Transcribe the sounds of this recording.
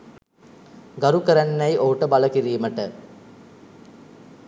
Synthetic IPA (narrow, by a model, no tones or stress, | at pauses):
ɡaɾukəɾænːæjʔoɦuʈəbaləkiɾiːməʈə